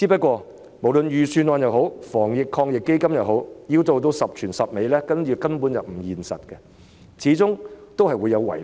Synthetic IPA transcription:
iː˨˥p̬ɐ˥t̚kʷɔː˧ | mo˨˩wlɵ˨njyː˨syː˧nwɔː˨˧njɐ˨wɦo˨˥wfɔː˨˩ŋjɪ˨kʰɔː˧ŋjɪ˨kːe˥jkɐ˥mjɐ˨˩wɦo˨˥wjiː˧wt̪o˨˧wt̪̬o˧wsɐ˨p̚t͡ʃʰyː˨˩nsɐ˨p̚me˨˧jlɛː˥kɐ˥njiː˧kɐ˥mpuː˨˥njɐ˨p̚m̩˨˩jiː˨˩nsɐ̰˨t̚kɛ˧ | t͡sʰiː˨˧˥t͡sʊ˥ŋt̪o˥wɦɐ˨jwu˨˧jːɐ˨˧wwɐ̰˨˩j

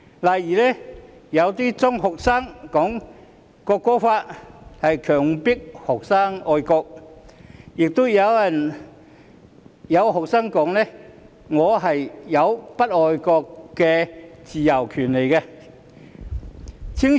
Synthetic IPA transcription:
laː˨˩jiː˨˩lɛː˥jɐ˨˧wt̪iː˥t͡sʊ˥ŋɦɔ˨k̚saː˥ŋkɔː˨˥ŋ | kɔː˧kːɔː˥faː˧t̚hɐ˨jkʰœː˨˩ŋpɪ˥k̚hɔ˨k̚saː˥ŋɔː˧jkɔː˧k̚ | jɪ˨k̚t̪ʊ˥jɐ˨˧wjɐ˨˩n | jɐ˨˧wɦɔː˨k̚saː˥ŋkɔː˨˥ŋlɛː˥ | ŋɔː˨˧ɦɐ˨jjɐ˨˧wpɐ˥t̚ɔː˨˧jkɔː˧kːɛː˧t͡siː˨jɐ˨˩wkʰyː˨˩nle˨˩jkɛ˧ | t͡sʰi˥ŋ

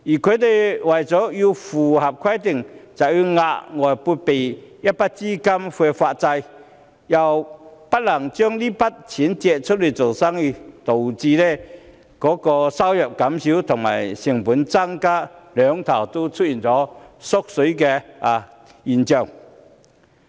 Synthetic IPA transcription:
ji˨˩kʰø˨˧t̪e˨˩jwa˨˩jt͡sɔː˨˥ji˧fu˨˩hɐ˨˩p̚kʰwa˥jt̪i˨˩ŋt͡sa˨˩wji˧ŋa˧ʔŋɔː˨˩jpu˧pe˨˩jja˦˥t̚pa˦˥t̚t͡si˥ka˥mfwɛ˧fa˧t̚t͡sa˧j | ja˨˩wpa˥t̚lɐ˨˩ŋt͡ɕœ˥ŋli˥pa˦˥t̚t͡ɕʰi˨˥nt͡ɕɛ˧t̚t͡sʰʊ˥t̚li˨˩jt͡so˨˩wsa˥ŋi˧˩t̪o˨˩wt͡siː˧lɛ˥˧ | kɔː˨˥kɔː˧sa˥wjœ˨˩p̚ka˨˦˥msi˨˥wt̪ʰʊ˨˩ŋma̰ː˨˩jsi˨˩ŋpu˨˦˥nt͡sa˥ŋkaː˥lœ˨˦ŋt̪ʰɐ˨˩wt̪o˥t͡sʰʊ˥t̚ji˨˩nt͡sɔː˨˥sʊ˥k̚sɵ˨˥kɛ˧a˨˩ | ji˨˩nt͡ɕœ˨˩ŋ

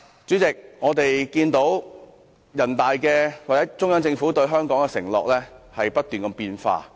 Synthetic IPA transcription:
t͡ʃyː˨˥t͡sɪ˨k̚ŋɔː˨˧t̪e˨jkiː˧nt̪o˨˥w | jɐ˨˩nt̪aː˨jkɛː˧waː˨t͡sɛː˨˥t͡sʊ˥ŋjɐ˨˥ŋt͡sɪ˧ŋfuː˨˥t̪ɵ˧ɥɦœː˥ŋkɔː˨˥ŋkɛ˧sɪ̰˨˩ŋlɔ̰ː˨k̚lɛː˥hɐ˨jpɐ˥t̚t̪yː˨nkɐ˧mpiː˧nfa̰ː˧

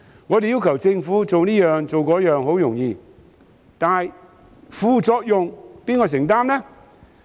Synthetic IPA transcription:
ŋɔː˨˧t̪e˨jiː˥wkʰɐ˨˩wt͡sɪ˧ŋfuː˨˥t͡so˨wniː˥jœː˨ŋt͡so˨wkɔː˨˥jœː˨ŋɦo˨˥wjʊ˨˩ŋjiː˨˧ | t̪aː˨˩j | fuː˨˧t͡sɔː˧k̚jʊ˨ŋpiː˥nkɔː˧˩s̬ɪ˨˩ŋt̪aː˥mnɛ˥

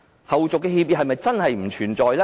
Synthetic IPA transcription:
hɐ˨wt͡sʊ˨kːɛː˧hiː˧p̚jiː˨˥hɐ˨jmɐ˨jt͡sɐ˥nhɐ˨jm̩˨˩t͡ʃʰyː˨˩nt͡sɔː˨jlɛ˥

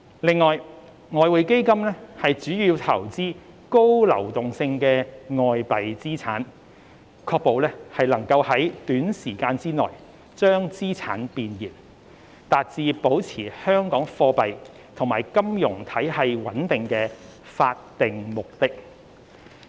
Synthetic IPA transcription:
lɪ˨ŋːɔː˨j | ŋɔː˨˧wuː˨˧jke˥jkɐ˥mlɛ˥hɐ˨jt͡ʃyː˨˥jiː˧wt̪ʰɐ˨˩wt͡siː˥ | ko˥wlɐ̰˨˩wt̪ʊ˨ŋsɪ˧ŋkɛː˧ŋɔː˨˧jpɐ˨jt͡siː˥t͡sʰa̰ː˨˥n | kʰɔː˧k̚po˨˧wlɛː˥hɐ˨jlɐ˨˩ŋkɐ˧whɐ˨˥jt̪yː˨˥nsiː˨˩kaː˧nt͡siː˥nɔ̰ː˨˩j | t͡ʃœː˥ŋt͡siː˥t͡sʰaː˨˥npiː˨njiː˨˩n | t̪aː˨t̚t͡siː˧po˨˥wt͡sʰiː˨˩hœː˥ŋkɔː˨˥ŋfɔː˧pɐ˨j | t̪ʰʊ˨˩ŋmaː˨˩jkɐ˥mjʊ˨˩ŋt̪ʰɐ˨˥jhɐ˨jwɐ˨˥nt̪ɪ˨ŋkɛː˧ | faː˧t̚t̪ɪ˨ŋmʊ˨k̚t̪ɪ˥k̚

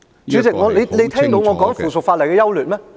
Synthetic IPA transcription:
t͡sy˨˥t͡sɪ˨k̚ŋɔː˨˧le˨˧jle˨˧jt̪ʰɛː˥˧˥ŋt̪o˨˥wŋɔː˨˧kɔː˨˥ŋfuː˨˩sʊ˨˩k̚faː˧t̚lɐ˨˩jkɛː˧jɐ˥wlyː˨t̚mɛː˥

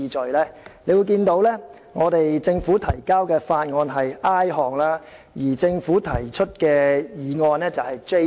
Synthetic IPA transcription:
iː˧t͡ʃɵ˨lɛː˥le˨˧jwu˧jkiː˧nt̪o˨˥wlɛː˥ | ŋɔː˨˧t̪e˨jt͡sɪ˧ŋfuː˨˥t̪ʰɐ˨˩jkaː˥wkɛː˧faː˧t̚ŋɔː˧nɦɐ˨jaː˥jɦɔː˨ŋlaː˥ | jiː˨˩t͡sɪ˧ŋfuː˨˥t̪ʰɐ˨˩jt͡ʃʰɵ˥t̚kɛː˧jiː˨˧ŋɔː˧nlɛː˥t͡sɐ˨whɐ˨jt͡ʃe˥

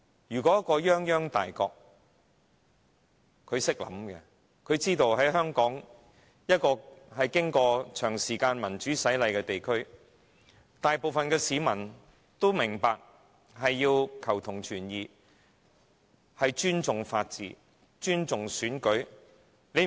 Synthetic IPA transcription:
jyː˨˩kɔ˨˦˥kːɔː˧jœː˥ŋjœː˥ŋt̪a̰ː˨jkɔː˧k̚ | kʰɵ˨˧ɥsɪ˥k̚lɐ̰˨˧mkɛ̰˧ | kʰɵ˨˧ɥt͡siː˥t̪o˧wɦɐ˨˥jɦœː˥ŋkɔː˨˥ŋ | jɐ˥t̚kɔː˧hɐ˨jkɪ˥ŋkɔː˧t͡ʃʰœː˨˩ŋsiː˨˩kaː˧nmɐ˨˩nt͡ʃyː˨˥sɐ˨˥jlɐ˨˧jkɛː˧t̪e˨jkʰɵ˥ɥ | t̪aː˨jpo˨wfɐ˨nkɛː˧siː˨˧mɐ˨˩n | t̪o˥wmɪ˨˩ŋpaː˨˧k̚ | ɦɐ˨jːiː˧wkʰɐ˨˩wt̪ʰʊ˨˩ŋt͡ʃʰyː˨˩njiː˨ | hɐ˨jt͡ʃyː˥nt͡sʊ˨ŋfaː˧t̚t͡sḭː˨ | t͡ʃyː˥nt͡sʊ˨ŋsyː˨˥nkɵ˨˥ | ne˨˧j

